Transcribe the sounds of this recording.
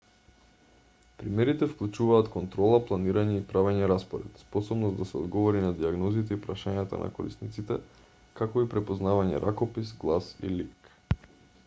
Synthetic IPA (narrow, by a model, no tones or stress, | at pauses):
pɾimɛɾit̪ɛfklˠut͡ʃuvaːt̪kont̪ɾɔlˠaplˠaniɾaɲɛipɾavɛɲɛɾaspoɾɛt̪spɔsɔbnɔsd̪asɛɔ̰d̪ɡɔvɔɾinad̪iaɡnɔzit̪ɛipɾaʃaɲat̪a̰nʔa̰koɾḭsnit̪sit̪ɛ | kakoipɾɛpoznavaɲɛ̰ɾʔakopisɡlˠasḭlik